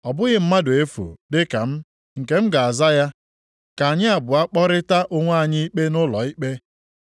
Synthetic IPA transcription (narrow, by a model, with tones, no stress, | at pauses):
ɔ˨bʊ˦ɣɪ˨m̩˦ma˦dʊ˨e˦fṵ˨dɪ˦ka˨m̩˦ | ŋ̩˨ke˨m̩˦ɡa˨a˨za˦ja˦ | ka˨a˨ɲɪ˦a˨bʊ˨a˦k͡pɔ˦ɾɪ˦ta˦ʔo˦ŋʷ˦a˦˨ɲɪ˦i˦k͡pe˦nʊ˦lɔ̰˨i˦k͡pe˦